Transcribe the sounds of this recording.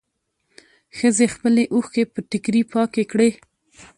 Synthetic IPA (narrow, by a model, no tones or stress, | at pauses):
xəzexpəleʔuxkepəʈɪkɾipɑkekɽe